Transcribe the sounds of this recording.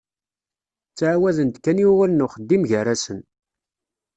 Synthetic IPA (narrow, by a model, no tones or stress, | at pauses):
t͡sːʕawæðənt̪kːænjuwalnʊχəd̪ːimʝərːasən